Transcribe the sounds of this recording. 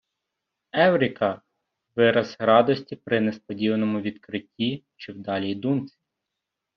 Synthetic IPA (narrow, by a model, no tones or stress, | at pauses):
ɛwɾʲikɐ | ʋɪɾɐzɾɑd̪ɔsʲtʲipɾɪnɛspɔdʲiʋɐnɔmʊʋʲid̪kɾɪtʲːi | t͡ʃɪwd̪ɑlʲijd̪unt͡sʲi̥